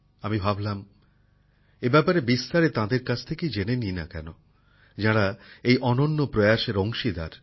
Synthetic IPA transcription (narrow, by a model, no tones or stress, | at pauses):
amibʱablam | ebɛpaɾebist̪aɾet̪ãd̪eɾkat͡ɕʰt̪ʰekejd͡ʑenenina̰kɛ̰no | d͡ʑaɽaejʔɔnonːopɾojaʃeɾoŋʃid̪a̰ɾ